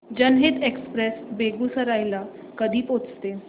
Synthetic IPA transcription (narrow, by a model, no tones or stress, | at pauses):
d͡ʑənɦet̪ekspɾesbeɡusəɾajla | kəd̪ʱiːpot͡st̪e